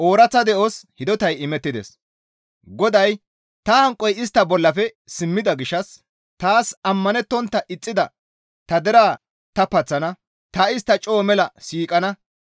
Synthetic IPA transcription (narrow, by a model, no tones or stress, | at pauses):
ʔoːɾɐt͡sːɐd̪ɛʔoshɪd̪ɔt̪ɐjɪmɛt̪ːɪd̪ɛ̰s | ɡɔd̪ɐj | t̪ɐhɐŋkʼːɔjɪst̪ːɐbɔlːɐfɛsɪmːɪd̪ɐɡɪʃːɐs | t̪aːsɐmːɐnɛt̪ːɔnt̪ːɐʔɪt͡sʼːɪd̪ɐ | t̪ɐd̪ɛɾaː | t̪ɐpɐt͡sːɐnɐ | t̪ɐɪst̪ːɐt͡ʃʼoːmɛlɐsiːkʼɐnɐ